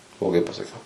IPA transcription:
blˠoːˈɡɐɪ pɐsɐˈkʲɛʊ

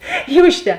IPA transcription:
ˈiːr ʊʃʲˈtʲɛ

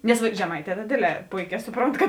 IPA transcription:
ˈnʲɛs ʋɐ ʒʲɛˈmɐɪˌtʲɛː tɐ ˈdʲeːdʲˌlʲɛː ˈpoːɪˌkʲɛː ˈsʊˌproːnt kɐt

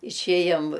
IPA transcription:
ɪʃʲˈeːjoːm

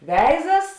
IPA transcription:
ˈʋʲɛɪzɐs

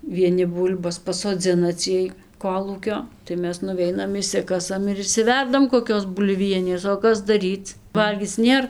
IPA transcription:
ʋʲiɛˈnʲɪ ˈbuːlʲbɐs pɐsoːˈd͡zʲɪnɐ ˈt͡sʲiɛj ˈkoːlˠuːkʲoː tɐɪ ˈmʲɛs nʊˈʋʲɛɪnɐm ɪʃʲˈsʲɪkɐsɐm ɪr ɪʃʲsʲɪˈʋʲɛrdɐm koːˈkʲoːs bʊlʲˈʋʲiɛnʲeːs oː ˈkɐs dɐˈrʲiːt͡s ˈʋɐlʲɡʲiːt͡s ˈnʲeːr

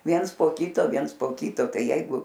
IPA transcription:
ˈʋʲiɛns poː ˈkʲiːtoː ˈʋʲiɛns poː ˈkʲiːtoː ˈtɐɪ ˈjɛɪɡʊ

